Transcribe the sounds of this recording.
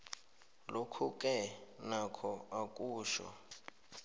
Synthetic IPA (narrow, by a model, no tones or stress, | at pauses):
lokʰukʼɛnakʰɔakʼuːʃɔ̰